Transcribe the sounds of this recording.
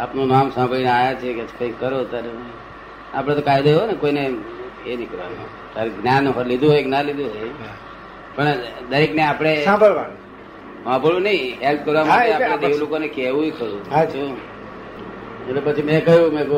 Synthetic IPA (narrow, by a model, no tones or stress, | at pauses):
apnunamsãmbʱəɭineajat͡ʃʰieket͡ʃʰkə̃ĩkəɾot̪jaɾe | a̰pəɽ̃et̪okajd̪oɦonekoineenikɾʋa̰no̰ | t̪jaɾeɡnjanɦɔlid̪ʱuɦɔjɡnalid̪uɦɔj | pəɳd̪əɾikneapɽ̃esãbʱəɭʋan | ʋãbʱəɭũnəĩɦelp̚kəɾʋamaeaɽ̃eeʋlokonekeʋũkəɾũat͡ʃʰu | ellepət͡ʃʰimẽkəjũmẽ